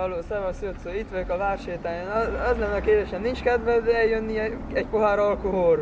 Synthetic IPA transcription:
ɒloːsɛvɒsjot̪soːit̪ʋøkɒvaːrʃeːt̪aːjanɒɛzlɛnːɛɒkeːd̪eːʃɛnnːint͡ʃkɛd̪vɛzd̪ɛɛljønːiɛɛcpoɦaːɾɒlkoɦor

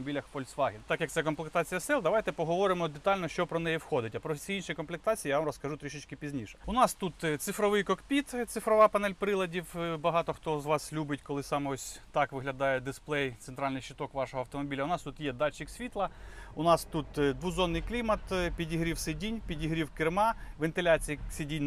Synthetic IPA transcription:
ɔbʲilʲɐxpɔlʲsʲʋɑɦʲɪnt̪ɑkjɐkt̪sɛkɔmplˠɪk̚t̪ɑt͡sʲijɐsɛlˠd̪ɐʋajt̪ɛpɔɦɔʋɔɾɪmɔd̪et̪ɑlʲnɔʃt͡ʃɔpɾɔnɛjɛwxɔd̪ɪtʲɐpɾɔsʲiinʃijkɔnmplˠɪk̚t̪ɑt͡sʲiijaʋamrɔskɐʒut̪ɾʲiʃɪt͡ʃʲkɪpʲizʲnʲiʃɛ̥ʊnɑst̪ut̪t̪sɪfɾɔʋɪjkɔkpʲit̪t̪sɪfɾɔʋɑpɐnɛlʲpɾɪlˠɐdʲiwbɐɦɑt̪ɔxt̪ɔzʋɑslʲubɪt̚ʲkɔlˠɪsɑmɔsʲt̪ɑkʋɪɦlʲɐd̪ɑjɛd̪ɪsplˠɛjt̪seɛnt̪ɾɑlʲnɪjʃɪt̪ɔkʋɑʃɔɦɔɐwt̪ɔmɔbʲilʲɐʊnɑst̪ut̪jɛd̪ɑt͡ʃiksʲʋʲit̪lˠɐʊnɑst̪ut̪d̪ʋuzɔnːɪjklʲimɐt̪pʲidʲiɦɾʲiwsedʲinʲpʲidʲiɦɾʲiwkɪrmɑʋent̪ɪlʲat͡sʲijisʲedʲinʲ

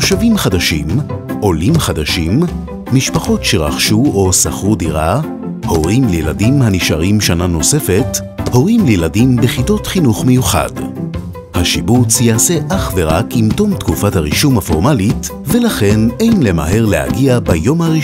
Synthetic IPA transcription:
ʃavimχadaʃḭmʔo̞limχadaʃimː | iʃpaχo̞tʃeʁa̰χʃuo̞saχʁudiʁa | ho̞ʁimlejladimhaniʃaʁimʃanano̞se̞fe̞t | ho̞ʁimlejladimbeχito̞tχinuχmejuχa̰d | haʃibut͡sjaase̞ʔaχveʁakimto̞mtkufathaʁiʃumhafo̞ʁmalit | velaχe̞ne̞jnle̞ma̰ɦe̞ʁleha̰ɡiabajo̞mhaʁi

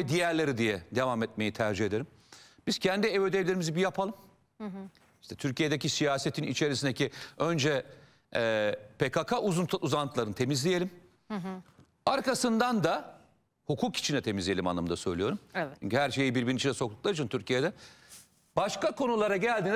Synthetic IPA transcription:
ɛd̪ijæɾlʲe̞ɾid̪ijɛd̪e̞vamɛt̪̚me̞jit̪ʰæɾd͡ʒihe̞d̪e̞ɾim | b̥iz̥cʰænd̪ievød̪evilʲeɾimizibijapʰalˠɯm | iʃt̪ʰɛt̪ʰyɾcijed̪ecisijaːset̪ʰinḭt͡ʃʰe̞ɾis̬ind̪eciønd͡ʒɛ | pʰekʰakʰaʔuzunuzant̪ʰlˠaɾɯnɯt̪ʰe̞mizlʲije̞lʲim | aɾkasɯnd̪and̪a | hukʰuːki̥t͡ʃʰind̪ɛt̪ʰe̞mizlʲijelʲimanːˠamɯnd̪asø̞̰jlʲijo̞ɾumt͡ʃy̰ɲcyhæɾʃe̞jibiɾbinnit͡ʃinɛso̞klˠuklˠad͡ʒɯnt̪ʰyɾcijed̪ɛ | b̥aʃkakʰo̞nulˠaɾaɟælʲd̪iːn

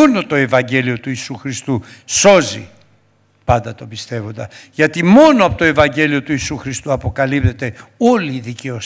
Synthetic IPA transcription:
ono̞t̪o̞e̞vɐɲɟe̞lio̞t̪uisuxɾist̪uso̞zḭ | pɐnd̪ɐt̪o̞bist̪e̞vo̞nd̪ɐʝɐt̪imo̞noɐpot̪oevɐɲɟe̞lio̞t̪uisuxɾist̪uɐpo̞kɐlipt̪et̪e̞o̞liːðice̞os

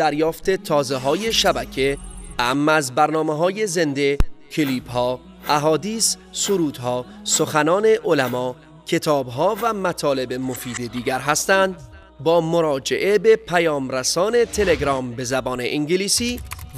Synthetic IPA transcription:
d̪̥æɾjɒːft̪e̞t̪ʰɒːzeɦɒːje̞ʃæbæcʰe̞æmːæzbæɾnɒːmeɦɒːje̞ze̞nd̪e̞cʰeliːb̥hɒː | ʔæɦɒːd̪iːsːoɾuːd̪̥ɦɒː | so̞xænɒːne̞ʔolæmɒː | cʰe̞t̪ʰɒːbɦɒːvæmæt̪ʰɒːle̞be̞mofiːd̪e̞d̪iːɟæɾɦæst̪ænd̪ | bɒːmoɾɒːd͡ʒḛʔe̞be̞pʰæjɒːmɾæsɒːne̞t̪ʰe̞le̞ɡɾɒːmbe̞zæbɒːneʔiŋɟeliːsiː

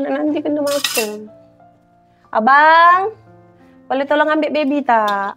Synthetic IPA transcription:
naʔnant̪ikəndəmakːɛŋ | ʔa̰baŋ | kalet̪ɔlɔŋambɛʔbebit̪a

